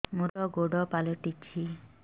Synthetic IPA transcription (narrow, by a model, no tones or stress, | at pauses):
muɾɔɡoɖɔpalɔʈit͡ʃʰi